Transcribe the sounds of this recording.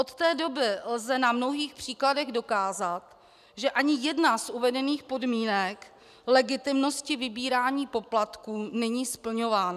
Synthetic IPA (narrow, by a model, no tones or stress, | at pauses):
ʔot̪t̪ɛːdo̞bɪlzɛnamno̞ɦiːxpr̝̥iːkladɛɣdo̞kaːzat̪ | ʒɛʔaɲɪjɛdnasʔuvɛdɛniːxpo̞dmiːnɛk | lɛɡɪt̪ɪmno̞scɪvɪbiːɾaːɲiːpo̞plat̪kuːnɛɲiːspl̩ɲo̞vaːna